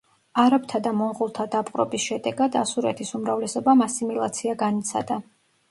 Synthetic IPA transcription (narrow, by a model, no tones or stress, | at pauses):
aɾapt̪ʰad̪amɔɴʁulˠt̪ʰad̪apʼqʼɾɔ̰bisʃɛd̪ɛɡad̪asuɾɛ̰t̪ʰisumɾavlɛsɔbamasimilˠa̰t̪sʰiaɡanit̪sʰa̰d̪a